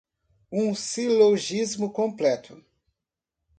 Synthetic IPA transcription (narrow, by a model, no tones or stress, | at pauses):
ũsiloʒizmʊkõmplɛt̪ʰʊ